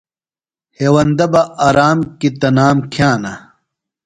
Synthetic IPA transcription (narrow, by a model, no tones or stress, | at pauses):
heːwɐnd̪ɐbɐaɾaːmkit̪ɐnaːmkʰjaːnɐ